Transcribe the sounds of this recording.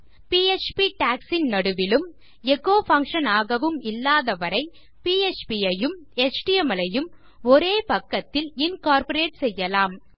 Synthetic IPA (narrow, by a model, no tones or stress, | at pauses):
piːet͡ʃpiʈaːksɪnnɐɽɯʋɪlɯm | ɛɣoːfɐŋkʂɐnaːɣɐʋɯmɪlːaːðɐʋɐɾɐɪ | piːet͡ʃpijɐjɯmɛt͡ʃʈiɛmɐlɐjɯm | ɔɾeːpɐkːɐt̪ːɪlɪnkaːɾpɐɾeːʈsɛjːɐlaːm